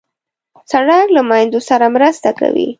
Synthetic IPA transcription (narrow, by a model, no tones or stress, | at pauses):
t͡saɽɑɡlamajnd̪osaɾamɾəst̪aka̰wḭ